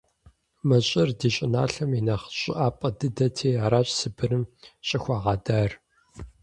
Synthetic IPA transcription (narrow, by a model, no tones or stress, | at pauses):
mɐɕʼɪrdiːɕʼɪna̰ːɬɐminɐχə̥ɕʼɪ̰ʔaːpʼɐdɨdɐtʰeːaːɾaːɕʼsɨbɨrɨmɕʼɪxʷɑːʁɑdaːr